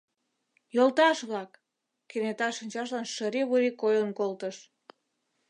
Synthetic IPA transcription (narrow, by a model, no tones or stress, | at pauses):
jolt̪ɑʃβlɑkː | enet̪ɑʃənʲt͡ɕɑʃ̬lɑnʃəɾiβuɾikojənkolt̪əʃ